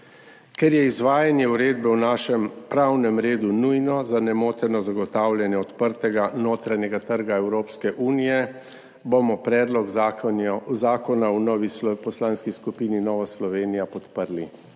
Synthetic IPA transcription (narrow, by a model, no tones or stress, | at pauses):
kɛɾjɛizʋaːjanjɛuɾeːd̪bɛwnaːʃɛmpɾawnɛmɾeːd̪unujnɔzanɛmoːt̪ɛnɔzaɡɔt̪aːwljɛnjɛɔt̪pəɾt̪ɛɡanoːt̪ɾanɛɡat̪əɾɡaɛwɾoːpskɛʔuːnijɛ | bomɔpɾɛːd̪lɔɡ | zaːkɔnawnɔʋipɔslaːnskiskupiːninɔːʋaslɔʋeːnijapɔt̪pəɾli